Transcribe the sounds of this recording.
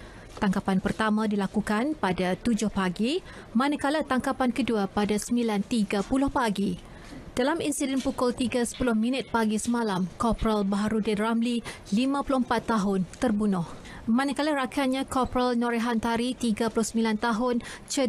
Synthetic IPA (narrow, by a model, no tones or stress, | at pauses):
t̪aŋkapanpərt̪amãdilakukanpadat̪ud͡ʒʊhpaɡi | mãnakalat̪aŋkapankəduapadasəmbilant̪iɡapulʊhpaɡi | d̥alaminsidɛnpukʊlt̪iɡasə̥pulʊhmĩnɪt̪̚paɡisəmãlamkɔpɾalbaɦaɾudɛdramli | limãpulʊhəmpat̪ːaɦʊnt̪ərbunʊh | mãnakalaɾakanɲãkɔpɾalnɔɾeɦant̪aɾit̪iɡapulʊhsəmbilant̪aɦʊnt͡ʃə